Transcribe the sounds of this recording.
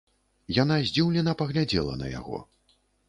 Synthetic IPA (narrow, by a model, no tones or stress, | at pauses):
janazʲd͡zʲiwlʲɛnɐpɐɣlʲad͡zʲɛ̰lˠɐ̰nɐ̰ja̰ɣɔ̰